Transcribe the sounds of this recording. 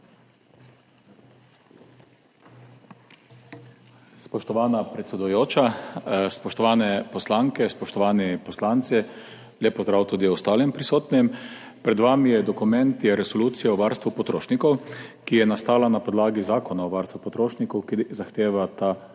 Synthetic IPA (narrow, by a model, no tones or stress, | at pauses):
spɔʃt̪ɔʋaːnapɾɛt̪sɛd̪ujoːt͡ʃaspɔʃt̪ɔʋaːnɛpɔslaŋkɛspɔʃt̪ɔʋaːnipɔslant̪si | lʲjeːpɔzd̪ɾawt̪uːd̪iɔst̪aːlimpɾisoːt̪nɛm | pɾɛd̪ʋamijɛd̪ɔkumɛnt̪jɛɾɛsɔluːt̪sijaɔʋaɾst̪ʋupɔt̪ɾo̰ːʃnikɔwkijɛnast̪aːlanapɔd̪laːɡizaːkɔnaɔʋaɾst̪ʋupɔt̪ɾoːʃnikɔwkizaxt̪eːʋat̪a